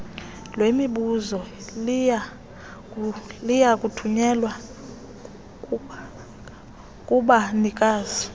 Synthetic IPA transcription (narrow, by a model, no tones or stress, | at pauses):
lwemiɓuzɔlia | lijakʼutʰuɲɛlwa | kʼuɓanikʼaːzi